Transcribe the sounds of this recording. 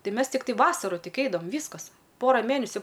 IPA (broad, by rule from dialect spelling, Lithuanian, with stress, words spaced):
ˈtɐɪ ˈmʲɛs tʲɪkˈtɐɪ ˈʋɑːsɐrʊ ˈtʲɪk ˈɛɪdɐʋɐm ˈʋʲiːskɐs ˈpoːrɐ ˈmʲeːnʲɛsʲʊ